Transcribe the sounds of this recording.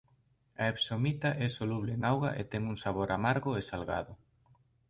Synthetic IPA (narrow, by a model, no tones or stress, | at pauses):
aepsomit̪aʔɛsoluβleeŋawɣa̰ʔet̪ɛŋuŋsaβ̞oɾamaɾɣʊesalɣa̰ðʊ